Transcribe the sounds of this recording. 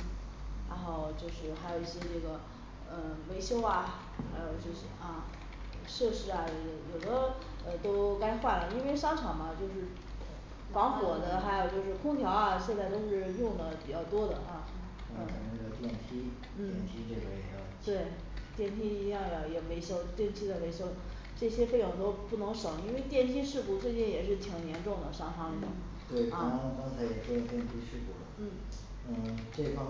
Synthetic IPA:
ɻa̰˧˥xo˥˧ʊt͡ɕjo˥˧ʊʂɻ̩˥˩xa˧˥ɪjo˨˩ʊi˥˩ɕjɛ˥ʈ͡ʂɤ˥˩ɡə˩ | ə˩me˧˥ɪɕjo˥ʊɐ˨ | xa˧˥ɪjo˨˩ʊt͡ɕo˥˧ʊɕʔɐ˥˧ | ʂɤ˥˧ʂɻ̩˧˥ɐ˧t͡ɕo˥˩ɡə˧˩jo˨˩ʊd̪ə˦ | ə˧t̪o˥ʊka˥ɪxwa˥˩lə˩i˥nwe˥˩ɪʂɑ˥ŋʈ͡ʂʰɑ˨˩ŋbɐ˦t͡ɕjo˥˧ʊʂɻ̩˥˩ | fɑ˧˥ŋfwɔ˨˩d̪ə˦xa˧˥ɪjo˨˩ʊt͡ɕjo˥˧ʊʂɻ̩˥˩kʰʊ˥ŋt̪ʰjɑ˧˥ʊɐ˧ɕjɛ˥˧nt͡sa˥˩ɪt̪o˥ʊʂɻ̩˥˧jʊ˥˩ŋd̪ə˩pi˨˩t͡ɕjɑ˥˩ʊt̪wɔ˥d̪ə˨ʔa˥˩˥ | a˨˩ɪnə˧˥o˥˧˩t̪jɛ˥˩nt̪ʰi˥ | n̩˥˩ɛ˩˥˩nt̪ʰi˥ʈ͡ʂe˥˩ɡə˩we˧˥ɪɕjʊt̪we˥˩ɪ | t̪jɛ˥˩nt̪ʰi˥i˧˥jɑ˥˩ŋjjɛ˨˩me˧˥ɪɕjo˥ʊt̪jɛ˥˩nt̪ʰi˥d̪ə˨me˧˥ɪɕjo˥ʊnə˩ | ʈ͡ʂɤ˥˩ɕjɛ˥fe˥˧ɪjʊ˥˩ŋt̪o˥ʊpu˥˩nɤ˧˥ŋʂɤ˨˥˩ŋi˥nwe˥˧ɪt̪jɛ˥˩nt̪ʰi˥ʂɻ̩˥˧pu˥˩t͡swe˥˧ɪt͡ɕi˥˩njɛ˨˩ʂɻ̩˥˩t̪ʰi˨˩ŋnjɛ˧˥nʈ͡ʂʊ˥˩ŋd̪ə˩ʂɑ˥ŋʂɑ˥ŋi˧˥d̪ʊ̰˥˧˩ŋ | t̪we˥˩ɪkɑ˥˧kɑ˥ŋt͡sʰa˧˥ɪjɛ˨˩kt̪jɛ˥˩nt̪ʰi˥ʂɻ̩˥˧˩pṵ˥˩lə˩n̩˥˩ | n̩˥˩ʈ͡ʂe˥˩fɑ˥

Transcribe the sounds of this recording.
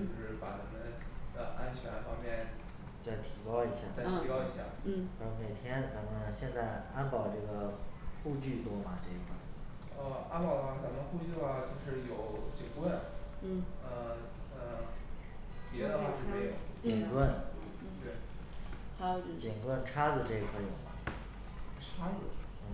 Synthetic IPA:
o˥˩ʊʂɻɻ̩˥˩pa˧˩t͡sa˧˩mə˧˩nd̪ə˧ʔa˥nt͡ɕʰɥɛ˧˥nfɑ˥ŋmjɛ˥˩n | t͡sa˥˩ɪt̪ʰi˧˥kɑ˥ʊi˧˥ɕja˥˩a˥˩ɪt̪ʰi˧˥kɑ˥ʊi˨˧˥ɕja˥˩˥o˧˩me˨˩ɪt̪ʰjɛ˥nt͡sa˧˥mə˧nɕjɛ˥˧nt͡sa˥˩ɪa˥npɑ˨˩ʊʈ͡ʂɤ˥˩ɡə˩xu˥˧t͡ɕy˥˩t̪wɔ˥mɐ˨ʈ͡ʂɤ˥˩i˧˩xwa˥˩ | ə˧a˥npʊd̪ə˧xwa˥˩t͡sa˧˥mə˧xu˥˧t͡ɕy˥˩lɐ˨˩t͡ɕjo˥˧ʊʂɻ̩˥˩jo˨˩ʊt͡ɕi˨˩ŋkwə˥˩n̩˥˩ | ə˧ | ə˧ | pjɛ˧˥d̪ə˧wa˥˩˧ɻ̩˥˧˩e˥˩jo˨˩˦ʊt͡ɕi˨˩ŋkwə˥˩n˥˩ | t̪e˥˩ | a˧˩t͡ɕi˨˩ŋkwə˥˧nʈ͡ʂʰa˥d͡zɹ̩˨ʈ͡ʂɤ˥˧i˧kʰwa˥˩ɪjo˨˩ʊmɐ˦ | ʈ͡ʂʰa˥d͡z̩˨˩n̩˥˩

